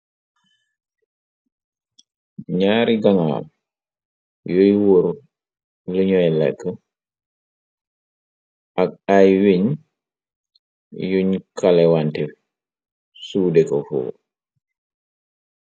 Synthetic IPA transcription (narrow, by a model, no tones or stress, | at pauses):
ɲaːɾiɡaŋa̰ːl | jojwoɾ | liɲɔjlɛ̰kːə | ʔak̚ajwiɲ | juɲkalɛwantɛ | suːdɛkɔfɔ̰